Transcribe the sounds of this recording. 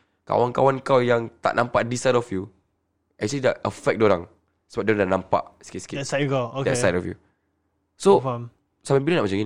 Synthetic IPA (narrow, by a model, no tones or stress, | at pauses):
ka̰wankawankawjãŋt̪a̰ʔnãmpaʔdisajdɔfju | ɛk̚t͡ʃəlidaəfɛk̚doɾãŋ | səbap̚doãndãnãmpa̰ʔskiskesakaodɛsajdɔfjṵ | sof | samãmbilənaʔmat͡ʃãmĩn